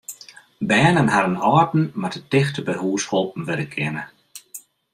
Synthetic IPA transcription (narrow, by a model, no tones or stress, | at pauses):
bɛːnənɦadənɔːrtn̩matətɪxtəbəɦuːshɔlˠp̚n̩ʋɪdəkʰɪnə